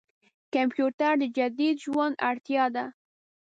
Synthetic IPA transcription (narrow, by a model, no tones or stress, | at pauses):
kampjut̪aɾd̪əd͡ʒad̪id̪ʒwand̪aɽt̪jɑd̪a